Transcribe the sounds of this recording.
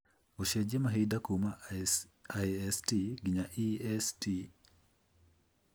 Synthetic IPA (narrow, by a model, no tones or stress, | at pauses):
oʃed͡ʒemaɦedakuma | ajɛstiɡiɲaʔiɛsti